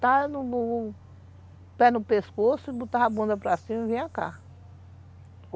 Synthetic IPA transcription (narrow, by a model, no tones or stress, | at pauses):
t̪anʊ | pɛnʊpeskosʊɪbut̪aabũnd̪ɐpɾasĩmivẽj̃aka̰